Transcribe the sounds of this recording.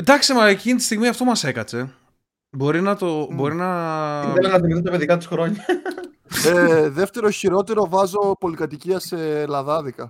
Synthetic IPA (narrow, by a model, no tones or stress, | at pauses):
d̪ɐksimɐecinit̪i̥st̪iɣmiɐft̪omɐse̞kɐt͡se̞ | bo̞ɾinɐt̪o̞bo̞ɾinɐelɐnɐðiknit̪ɐpe̞ðikɐt̪isxɾo̞ɲɐ | eðe̞ft̪e̞ɾo̞çiɾo̞t̪e̞ɾo̞vɐzo̞po̞likɐt̪iciɐselɐðɐðikɐ